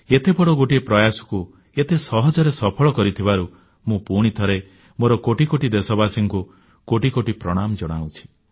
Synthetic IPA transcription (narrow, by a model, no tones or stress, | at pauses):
et̪ebɔɽɔɡoʈiepɾɔjasɔ̥ku | et̪esɔɦɔd͡ʒɔɾesɔpʰɔɭɔkɔɾit̪ʰibaɾu | mũpuɽ̃it̪ʰɔɾe | moɾɔkoʈikoʈid̪esɔbasiŋku | koʈikoʈipɾɔɽ̃amd͡ʒɔɽ̃awt͡ʃʰi̥